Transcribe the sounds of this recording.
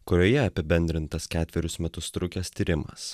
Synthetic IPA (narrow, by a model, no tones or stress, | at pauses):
kʊɾʲoːjɛɐpʲɪbʲɛnʲd̪ʲɾʲɪnt̪ɐskʲæːt̪ʲʋʲɛɾʲʊsmʲɛt̪ʊst̪ɾʊkʲɛst̪ʲiːɾʲɪmɐ̰s